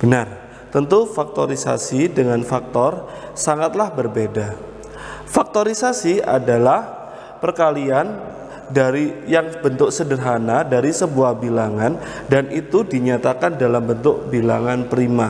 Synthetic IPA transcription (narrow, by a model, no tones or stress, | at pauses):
b̥ənar | t̪ənt̪ufak̚t̪oɾisa̰sidəŋanfak̚t̪ɔrsaŋat̪̚lahbərbeda | fak̚t̪oɾisasia̰dalah | pərkalian | daɾijaŋbənt̪ʊk̚sədərɦanadaɾisəbuahbilaŋan | danit̪udiɲat̪akandalambənt̪ʊk̚bila̰ŋanpɾima